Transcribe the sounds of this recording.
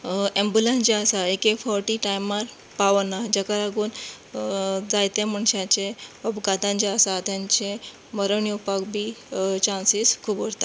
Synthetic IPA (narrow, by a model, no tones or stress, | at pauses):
ẽmbulẽnt͡ɕeasaekefɔɾʈiʈajmaɾ | paʋnad͡ʑakalaɡuːn | d͡zajt̪em̤əɳɕat͡ɕeɔbɡat̪ãɲt͡ɕeasat̪jãɲt͡ɕe | məɾəɳijupakbʱit͡ɕansiskʰuːbɔɽt̪a